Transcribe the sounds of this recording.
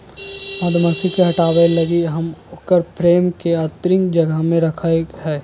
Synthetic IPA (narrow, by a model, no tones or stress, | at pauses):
mɐd̪məsikeɦɐʈaːwelɐɡiɦɐmʊkəɾpʰɾeːmkeaːt̪ɾɪ̃ŋkd͡ʒɐɡəɦmẽɾɐkʰaeɦɛː